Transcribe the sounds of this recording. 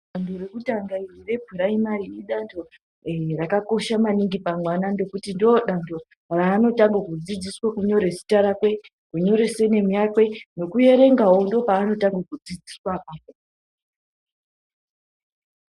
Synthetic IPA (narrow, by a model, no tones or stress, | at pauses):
andoɾekutaŋɡairire̞bʱuɾaimariɗiɗandʰo̞ | rakako̞ʃamaniŋɡipamwanando̞kutindioɗando̞ | raːno̞taŋɡakud͡zid͡ziswakuɲo̞ɾe̞si̥taɾakwe̞ | kuɲo̞ɾe̞sene̞mujakwe̞no̞kuje̞ɾe̞ŋɡaondo̞paːno̞taŋɡakud͡zid͡ziswaʔapo